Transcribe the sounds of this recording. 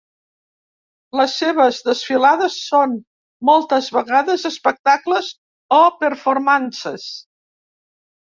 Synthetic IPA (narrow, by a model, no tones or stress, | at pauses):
ləsːeβəzðəsfilaðəsːon | mɔlˠt̪əzβəɣaðəzəspək̚t̪akləz | opəɾfoɾmansəs